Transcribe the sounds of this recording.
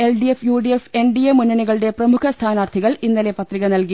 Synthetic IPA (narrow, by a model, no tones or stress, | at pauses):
elɖiefjuːɖiefe̞nɖijɐmunːɐɳiɣɐɭɨɽe̞prɐmukʰɐst̪ʰaːnaːrt̪ʰiɣɐɭinːɐlepɐt̪riɣɐnɐlki